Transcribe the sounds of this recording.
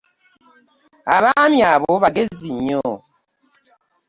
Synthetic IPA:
a̰βamjaβoβaɡeziɲɔ

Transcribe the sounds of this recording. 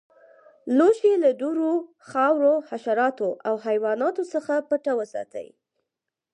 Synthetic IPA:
loʃeladuɾo | xɑwɾohaʃaɾɑt̪oʔawɦajwɑnɑt̪osəxapəʈawəsɑ̰t̪ə̰j

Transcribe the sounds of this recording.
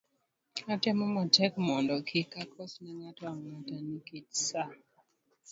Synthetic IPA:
atemɔmatɛkmɔndɔkʰikakʰɔsnɛŋatɔaŋatanikitsa

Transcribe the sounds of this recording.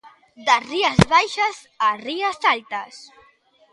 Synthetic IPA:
d̪ariɐzβajʃaz | ariasalt̪ɐs

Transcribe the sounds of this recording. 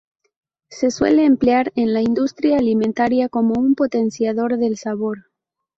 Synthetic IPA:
se̞swe̞̰le̞ːmpleaɾe̞nlaind̪ust̪ɾjaːlimẽnt̪aɾjako̞mo̞umpo̞t̪e̞nsjaðo̞ɾðe̞lsaβo̞ɾ

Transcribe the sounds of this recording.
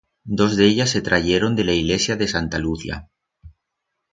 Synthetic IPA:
d̪ozðeʎasːet̪ɾaʝeɾond̪elaiɣlesjaðesant̪aluθja̰

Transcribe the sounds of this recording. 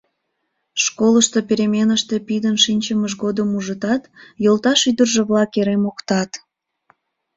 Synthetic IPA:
ʃkoləʃt̪opeɾemʲenəʃt̪e̽pid̪ənʃinʲt͡ɕəməʒɣod̪əmuʒət̪ɑt̪jolˠt̪ɑʃyd̪ərʒeβlɑkeɾemokt̪ɑt̪

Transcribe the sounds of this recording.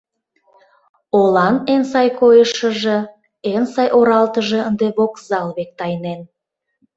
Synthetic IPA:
olɑnensɑjkojəʃə̆ʒe | ensɑjʔoɾɑlt̪əʒə̆ənd̪eβokzɑlβek̚t̪ɑjnen

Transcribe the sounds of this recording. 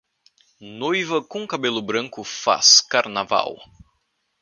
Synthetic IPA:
nojvɐkõkabelʊbɾɐ̃ŋkʊfa̰skaɾnava̰w

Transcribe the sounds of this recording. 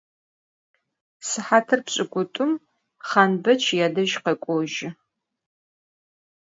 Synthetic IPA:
sɨħaːtʰɨrpɕʼɪkʷʼʊtʼʊm | χanbɐt͡ʃʰjaːdɐʒqɐkʷʼoʒɪ

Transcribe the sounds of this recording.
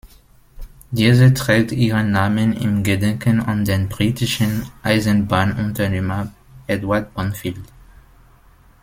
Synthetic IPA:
diːzətʁ̥ɛːk̚tiːʁənːaːmənɪ̰mɡədɛŋkʰəna̰ndeːnbʁiːtɪʃənʔaɪzənbaːnʔʊntɐneːmə | ʔɛdwaɐd̚bɔnfild

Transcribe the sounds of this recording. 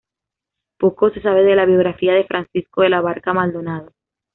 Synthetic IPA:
po̞ko̞se̞s̬aβ̞eðe̞laβjo̞ɣɾafiaðe̞fɾʔansisko̞ðelaβ̞aɾkamald̪o̞nað̞o

